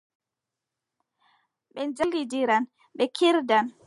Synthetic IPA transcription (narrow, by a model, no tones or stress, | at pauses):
ɓɛnd͡ʒalidiɾan | ɓɛkʰiɾdan